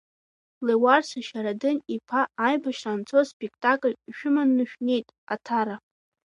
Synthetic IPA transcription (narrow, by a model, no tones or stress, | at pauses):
lewarsaʃaɾadɨnipʰaːjbaʃrant͡sʰospʼekʰtʼakʼlʲʃᶣʊmanːɨʃᶣne̞jtʼatʰaɾa